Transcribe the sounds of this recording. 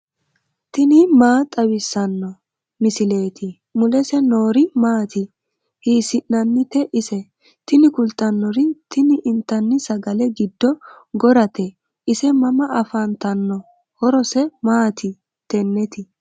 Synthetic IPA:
t̪ɪnɪmaːt̪ʼɐwɪsːɐnːɔ | mɪsɪle̞ːt̪ɪ | mʊlɛsɛnoːɾɪmaːt̪ɪ | thiːsɪʔnɐnːɪt̪ɛʔɪsɛ | t̪ɪnɪkʊlt̪ːɐnːɔɾɪt̪ʰɪnɪʔɪnt̪ːɐnːɪsɐɡɐlɛɡɪd̪ːɔ | ɡɔɾɐt̪ɛ | ʔɪsɛmɐmɐʔɐfɐnt̪ɐnːɔ | hɔɾɔsɛmaːt̪ɪ | t̪ɛnːɛt̪ɪ

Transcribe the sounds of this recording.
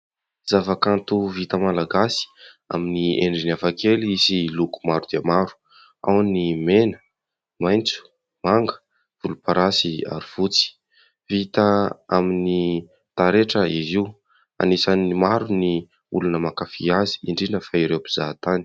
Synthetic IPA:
z̥avakant̪uvit̪əmalaɡasi̥ | a̰minieɳɖ͡ʐinafakeliisiluku̥maɾud̪̥iamaɾu̥ | a̰wnimenə̥ | majnt͡su̥ | maŋɡə̥ | v̥ulupaɾasia̰ɾiv̥ut͡si̥ | vit̪əamini | t̪aɾeʈ͡ʂəiziw | a̰nisanimaɾuni | ulunəmakafiazi̥iɳɖ͡ʐinəfaiɾewpi̥z̥at̪ani̥

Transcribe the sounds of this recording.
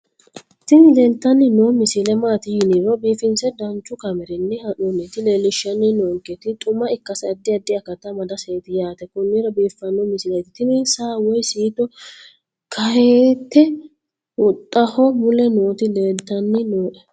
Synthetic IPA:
t̪ɪnɪleːlt̪ːɐnːɪnoːmɪsɪlɛmaːt̪ɪjɪnɪɾɔbiːfɪnsɛd̪ɐnt͡ʃːʊkɐmɛɾɪnːɛhɐnonːɛt̪ɪle̞ːlɪʃːɐnːɪnoːŋkːɛt̪ɪt̪ʼʊmːɐɪkːɐsd̪ːɪɐd̪ːɪɐkɐt̪ːɐmɐd̪ɐseːt̪ɪjaːt̪ɛkʊnːɪɾɐbiːfːɐnːɔmɪsɪlɐjt̪ɪ̥t̪ɪnisaːwɔjsiːt̪ɔ | kʰɐheːt̪ːɛ | wʊt̪ʼːɐhɔmʊlɛnoːt̪ɪleːlt̪ːɐnːɪnoːʔɛ

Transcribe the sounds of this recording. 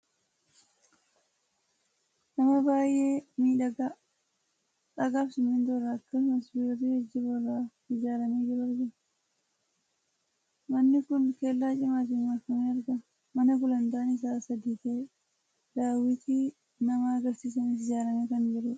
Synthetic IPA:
nɐmɐbaːjʔeːmiːᶑɐɡa | ᶑɐɡaːbsʊmɪnd̪ɔrːɐːkːɐsmɐsbiɾɔt̪ihɛd͡ʒːɪbɔra | ɪd͡ʒaːɾɐmeːd͡ʒɪɾɐɾɡɐ | mɐnːɪkʊnkeːlːaːt͡ʃʼɪmaːt̪̬ɪnmɐɾkːɐmeːɐɾɡɐ | mɐnɐkʊlɐnd̪aɐnɪs̬aːsɐd̪iːt̪eː | d̪aːwɪt̪iː | nɐmaɐɡɐɾsiːs̬ɐnɪs̬ɪd͡ʒaːɾɐmeːkɐnd͡ʒɪɾʊ

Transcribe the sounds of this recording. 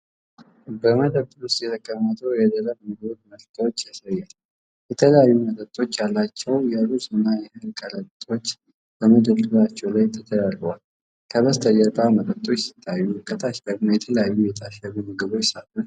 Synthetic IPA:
bəməd̪əb̪ʊst̪ʼjɛt̪ʰəkʼːəmːət̪ʰəwjɛd̪ələβmɨɡolməlt̪ʰwot͡ʃːjasəjːal | jɛt̪ʰələjajːumət̪ʼət̪ʼo̞t͡ʃːjalːat͡ʃːɛwjɛɾusʼɨnːajɛhɨlkʼəɾət̪ʼo̞t͡ʃː | bəməd̪əd̪ɨlat͡ʃːɛwlajt̪ʰːət̪ʰəd̪alwal | kʰəβəst̪ʰʼəjəɾkʼamət̪ʼət̪ʼo̞t͡ʃːsi̥t̪ʰʼːajːukʰət̪ʰaʃd̪əɡmajɛt̪ʰələjajːujɛt̪ʰaʃəβumɨɡɨβojsalun

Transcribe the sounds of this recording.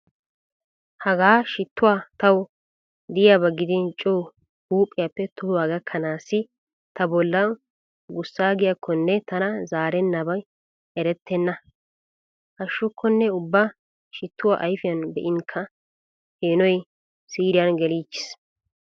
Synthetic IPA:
hɐɡaːʃɪt̪ːʊwaːt̪ɐw | d̪ɪjabɐɡɪd̪ɪnt͡ʃʼuː | huːpʼːɪjapːɛt̪ʊhʊwaːɡɐkʰːɐnaːsɪ | t̪ɐbɔlːɐ | ɡʊsːaːɡɪjɐkʰːɔnːɛt̪ɐnɐzaːɾɛnːɐbɐ | ɛɾɛt̪ːɛnːɐ | ʔɐʃːʊkʰːɔnːɛʊbːa | ʃɪt̪ːʊwa̰ːʔɐjfɪjɐnbɛʔɪŋkʰːɐ | heːnɔj | siːɾɪjɐnɡɛliːt͡ʃːɪ̥s

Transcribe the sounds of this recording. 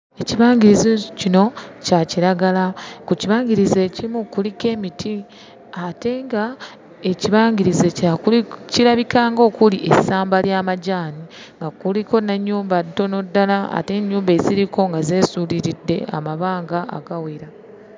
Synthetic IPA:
e̞ciβaːɲɡiɾizicino̞caciɾaɡalakuciβaːɲɡiɾizeːcimukulike̞ːmitʰi | ate̞ŋɡa | e̞ciβaːɲɡiɾizecaciɾaβikaːŋɡo̞ːkuliʔesaːmbaljaːmaɟaːni | ŋɡakuliko̞naɲːuːmbadto̞no̞dːalaa̰te̞ɲːuːmbe̞ːziɾiko̞ŋɡazeːsuːliɾidːe̞̰a̰maβaːŋɡaa̰ɡawiɾa

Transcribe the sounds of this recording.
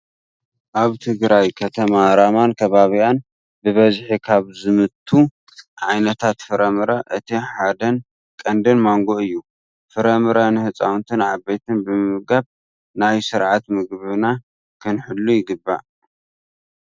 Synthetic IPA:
ʔaβt̪ʰɨɡɾajkʰɐt̪ʰɐmaɾamankʰɐβaβijan | bɨβɐzħikʰaβzɨmɨt̪ʰːu | ʕajnɐt̪ʰat̪fɨɾɐmɨɾɐʔɨt̪ʰiħad̪ɐn | kʼɐnd̪ɨnmaŋɡo̞ɨjːu | fɨɾɐmɨɾɐnɨhɨt͡sʼa̰wnt̪ʰɨnʕabːejt̪ʰɨnbɨmɨɡaβ | najsɨɾʕat̪mɨɡβɨna | kʰɨnħɨlːujɪɡɨbːa̰

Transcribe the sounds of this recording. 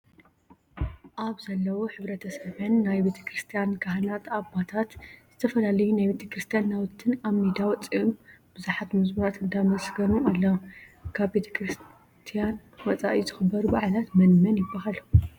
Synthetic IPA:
ʔaβzɐlːɐwoħɨβɾɐt̪ʰɐsɐβɐnːajbe̞t̪ʰɐ̥kɾɨst̪ʰijankʰaɦnat̪abat̪ʰat̪z̥ɨt̪ʰɐfɐlalɐjunajbe̞t̪ʰɐkɾɨst̪ʰijanːawɨt̪ʰːɨnaβmed̪awɔt͡sʼiumb̥ɨzuħat̪mɨzmɐɾat̪ɨnd̪amɐsɡɐnualːɐwkʰaβbe̞t̪ʰɐ̥kɾɨs | t̪ʰijan | wɔt͡sʼa̰ʔizɨxɨbːɐɾubaʕlat̪mɐnmɐnjɪbːaɦal

